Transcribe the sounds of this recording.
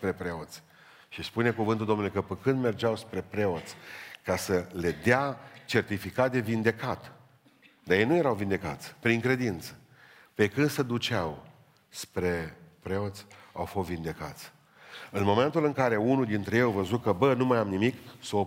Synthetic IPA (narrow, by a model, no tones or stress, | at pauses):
spɾe̞pɾe̞o̞t̪sʲ | ʃispune̞kuvɨnt̪uld̪omnulekəpəkɨnd̪me̞rd͡ʒawspɾe̞pɾe̞o̞t̪sʲkasəle̞d̪eat͡ʃe̞rt̪ifikat̪̚d̪evind̪e̞kat̪ | d̪ajejnuje̞ɾawvind̪e̞ka̰t̪sʲpɾiŋkɾe̞d̪int̪sə̥ | pe̞kɨnd̪sed̪ut͡ʃaw | spɾe̞pɾe̞o̞t̪sʲa̰wfo̞st̪vind̪e̞ka̰t̪sʲ | ɨnmo̞me̞nt̪ulɨŋkaɾe̞unud̪int̪ɾejejavəzut̪̚kəbənumajamnimiksəo